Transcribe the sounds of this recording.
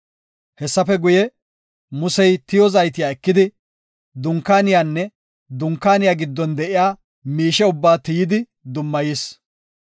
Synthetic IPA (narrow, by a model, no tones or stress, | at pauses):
hɛsːɐfɛɡʊjɛ | mʊsɛjt̪ɪjɔzɐjt̪ɪjaːɛkːɪd̪ɪ | d̪ʊŋkːaːnɪjaːnːɛ | d̪ʊŋkːaːnɪjaːɡɪd̪ːɔnd̪ɛʔɪjaː | miːʃɛʊbːaːt̪ɪjɪd̪ɪ | d̪ʊmːɐjis